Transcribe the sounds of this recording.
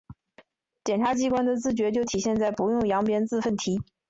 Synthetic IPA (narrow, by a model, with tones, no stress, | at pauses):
t͡ɕjɛ˨˩nʈ͡ʂʰa˧˥t͡ɕi˥kwa˥nd̪ə˨t͡sɹ̩˥˩t͡ɕɥɛ˧˥t͡ɕjo˥˩ʊt̪ʰi˨˩ɕjɛ˥˧nt͡sa˥˩ɪpu˧˥jʊ˥˩ŋjɑ˧˥ŋpjɛ˥nt͡sɹ̩˥˧fə˥˩nt̪ʰi˧˥